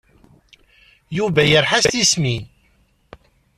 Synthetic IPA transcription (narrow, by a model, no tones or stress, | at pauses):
juvæjəɾħast̪ismin